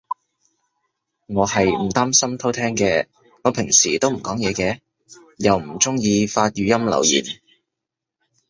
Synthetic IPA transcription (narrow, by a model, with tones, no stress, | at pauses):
ŋɔː˨˧hɐ˨jm̩˨˩t̪aː˥msɐ˥mt̪ʰo˥wt̪ʰɛː˥ŋkɛː˧ | ŋɔː˨˧˥pʰɪ˨˩ŋsiː˨˩t̪o˥wm̩˨˩kɔː˨˥ŋjɛː˨˧kɛː˧ | jɐ˨wm̩˨˩t͡sʊ˥ŋjiː˧faː˧t̚jyː˨˧jɐ˥mlɐ̰˨˩wjḭː˨˩n